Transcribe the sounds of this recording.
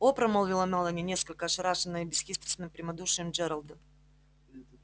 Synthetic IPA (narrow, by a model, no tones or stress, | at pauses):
opɾɐmolˠvʲilˠɐmalˠɐnʲinʲe̞skəlʲkəːʂɨɾaʂɨnːɨjəbʲɪsxʲispʲɪ̥t̪sʲnɨmpɾʲɪmɐd̪uʂɨjəmd͡ʒɛɾɐlˠd̪ɨ